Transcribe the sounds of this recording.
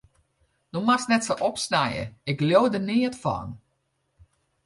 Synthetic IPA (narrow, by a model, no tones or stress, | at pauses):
dumasnɛtsoʔɔpsnajə̰ɪkljoːdənɪətfɔ̰n